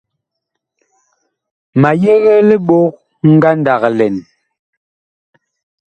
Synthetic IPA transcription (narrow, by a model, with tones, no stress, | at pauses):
ma˨jɛ˦ɣɛ˦le˦ɓo˦k̚ | ŋ̩˦ɡa˦n˦da˨ɣlɛ˨n